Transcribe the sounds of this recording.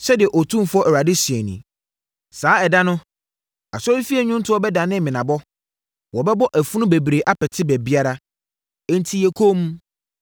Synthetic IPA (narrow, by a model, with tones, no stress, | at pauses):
ɕɛ˦dɪ˨ɛ˨ʔɔ˨tʰũ˦fʊ˦ɔ˦ʔɛ˨wa˨dɪ˦sɥɛ˨nḭ̃˨ | saː˨˦ɛ˨da˦nʊ̃˦ | a˨sɔ˦ɾi˦fi˦ɛ˨ɲᶣũ˦n˦tʰʊ˦ɔ˦bɛ˦da˨nɪ̃˦mmĩ˨nã˨bɔ˦ | wɔ˨bɛ˦bɔ˦ʔæ˨fu˦nʊ̃˦be˨bɾe˨ʔa˦pʰɛ˨tʰɪ˦bæ˨bi˦a˦ɾa˦ | ɛ˨n̩˨tʰi˦jɛ˨kʰo˦m˦